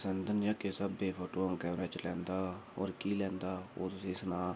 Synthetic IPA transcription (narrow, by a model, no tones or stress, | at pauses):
sənd̪ənjaːkesəbeːpʰoːʈoːəŋkɛːmɾeːt͡ʃlɛ̃ːnd̪aːɔ̰ːɾkiːlɛ̃ːnd̪aːo̰ːt̪ʊsĩːsnaː